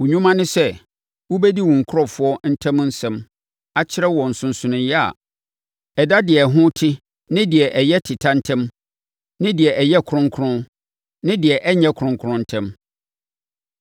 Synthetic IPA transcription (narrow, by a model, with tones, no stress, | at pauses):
wu˨ɲᶣũ˦mã˦nɪ̃˦sɛ˦ | wu˦bɛ˦di˦wũ˨ŋ˨kʰʊ˦ɔ˨fʊ˨˦ɔ˦n̩˦tʰɛ̃˦m˦n̩˦sɛ̃˦m | a˦t͡ɕʰɪ˦ɾɛ˦wɔ̃˨n̩˨sʊ̃˨n̩˨sʊ˨nʊ̃˨jɛ˦a̰˨ | ɛ˨da˦dɪ˨ɛ˨ɦʊ̃˦tʰɪ˦ | nɪ̃˦dɪ˨ɛ˨ʔɛ˨jɛ˦tʰɪ˨tʰa˦n̩˦tʰɛ̃˦m | nɪ̃˦dɪ˨ɛ˨ʔɛ˨jɛ˦kʰʊ̃˦ŋ˦kʰʊ˦ʊ̃˦ | nɪ̃˦dɪ˨ɛ˨ʔɛ˦ɲɛ̃˦kʰʊ˨ɾʊ̃˦ŋkʰʊ˦ɾʊ̃˦n̩˦tʰɛ̃˦m